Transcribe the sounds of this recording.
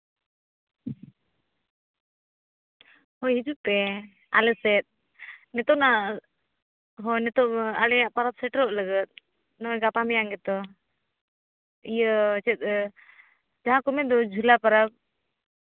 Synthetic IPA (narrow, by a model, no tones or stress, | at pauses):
hɔjɦid͡ʒuʔp̪ɛ | a̰lɛsɛt̪̚ | nɛt̪ɔna | ɦɔjnɛt̪ɔalɛaʔpaɾab̚sɛʈɾɔʔləɡət̪̚ | nɔɛɡapamɛjaŋɡɛt̪ɔ | ijət͡ʃɛt̪̚ | d͡ʒaɦãkɔmɛd̪ɔd͡ʒʱulapaɾab̚